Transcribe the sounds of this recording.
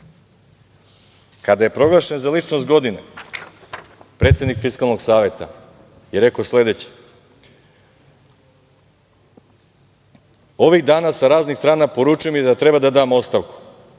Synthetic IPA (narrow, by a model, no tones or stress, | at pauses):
kad̪aje̞pɾo̞ɡlˠaʃe̞nzalit͡ʃnost̪̚ɡo̞d̪ine | pɾet̪sjenikfiskalˠno̞ɡsaːʋet̪a̰ | jeɾe̞kosle̞d̪et͡ɕe̥ | o̞ʋiɣd̪aːnasaɾaːznixst̪ɾaːnapo̞ɾuːt͡ʃujo̞mid̪at̪ɾe̞bad̪ad̪aːmo̞t̪st̪aʋku̥